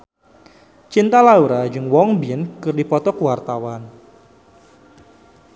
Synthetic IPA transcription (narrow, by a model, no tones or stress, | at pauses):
t͡ʃint̪alauɾad͡ʒɨŋwɔŋbinkɨrdipɔt̪ɔkəwart̪awan